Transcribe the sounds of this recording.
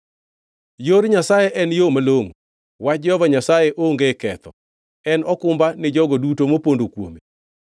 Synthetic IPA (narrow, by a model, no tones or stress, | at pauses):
joɾɲasajɛʔɛnjomaloŋ | wat͡ʃd͡ʒɔvaɲasajeʔoŋɡekɛt̪ɔ̰ | ɛnɔkʊmbanɪd͡ʒɔɡɔdutomopondokwo̰me